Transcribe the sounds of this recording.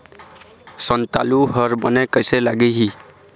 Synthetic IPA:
sənt̪a̰ːluɦəɾbənekəɪselaːɡeɦiː

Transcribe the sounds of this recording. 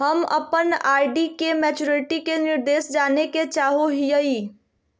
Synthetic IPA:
ɦəmə̰pənajɖikemɛt͡ʃuɾiʈikeniɾd̪esd͡ʒaneket͡ʃaɦoɦijəi

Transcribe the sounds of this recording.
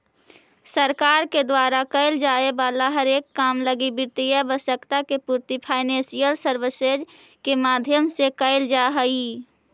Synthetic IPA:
səɾkaːɾked̪waːɾakəɪld͡ʒaːebaːlaɦəɾeːkːaːmləɡibɪɾt̪ijɛbəsəkt̪akepuːɾt̪ipʰaːɪnẽːsijəlsəɾʋəseːd͡ʒ | kemaːd̪ʱjəmsekəɪld͡ʒaɦəi

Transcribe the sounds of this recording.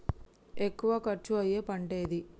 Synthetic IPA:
ekːuʋɐkɐɾt͡ʃuɐjeːpɐɳʈe̞ːd̪i

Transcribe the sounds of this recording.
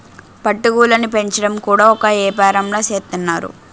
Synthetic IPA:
pɐʈːuɡuːlɐnipe̞ɲt͡ʃɐɽɐmkuːɽaːɔkɐeːpɛːɾɐmloːseːt̪ːɐnːaːɾṵ

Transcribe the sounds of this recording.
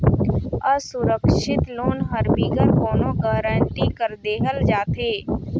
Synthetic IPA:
əsʊɾəkʃɪt̪loːnɦəɾbiːɡəɾkoːnõːɡəːɾə̃ːɳʈiːkəɾd̪eːɦəld͡ʒaːt̪ʰeː

